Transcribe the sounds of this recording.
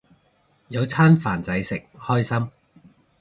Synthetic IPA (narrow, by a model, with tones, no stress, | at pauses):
jɐ˨˧wt͡sʰaː˥nfaː˨˩nt͡sɐ˨˥jsɪ˨k̚hɔː˥jsɐ˥m